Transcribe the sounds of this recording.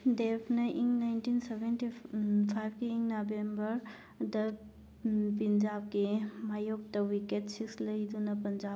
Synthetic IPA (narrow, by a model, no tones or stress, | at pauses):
depʰnɐʔiŋnajntinsebʱentipʰajb̚keːŋnabembɐɾ | dɐ | pind͡ʒab̚kemajok̚tɐwiketsikslɐjd̪unɐpɐnd͡ʒab